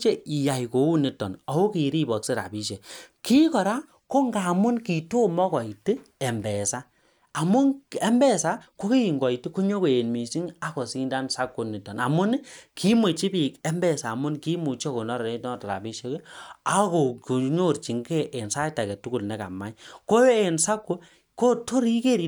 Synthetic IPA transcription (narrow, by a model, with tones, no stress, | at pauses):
t͡ʃe˦i˨ja˨i˨ko˨˦u˦ni˨tːɔ˨nɔ˨wo˦ki˨˦ɾi˦bɔ˨kse˦ɾa̰˨bi˦ʃe˨ki˦kɔ˨ɾa˦ | ko˦ŋɡa˨mu˦nki˨to˦mɔ˦kɔ˨i˨ti˦ɛ˨mbɛ˨saː˦˨ | mu˦ɛ˦mbɛ˦sa˦ko˦ki˦i˨ŋɡɔ˨i˨ti˦ko˦ɲo˦ko˨e˨nmi˨ʃi˦ŋa˦kɔ˨si˦nda˦nsa˦kːo˨˦ni˨tɔ˨na˨mu˦n˦kʰi˦me˨t͡ʃi˦pi˨kɛ˦mbɛ˦˨saː˨mʊ˦nki˦mu˨t͡ʃɔ˦ko˨nɔ˦ɾɔ˨e˦tɔ˦˨ta˨ɾa̰˨bi˦ʃe˦ke˦a˦ko˨ko˨ɲo˦˨ɾt͡ʃi˨ŋke˦ʔe˨nsa˦ta˨kɛ˨tu˦ku˨lnɛ˨ka̰˨ma˨˦i˦ko˦e˨nsa˦kːo˦ | ko˦to˦ɾi˦ke˦˨ɾi˨